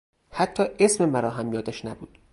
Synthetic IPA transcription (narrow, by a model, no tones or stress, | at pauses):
hæt̪ʰːɒːʔesmemæɾɒːɦæmjɒːd̪æʃnæbṵːd̪̥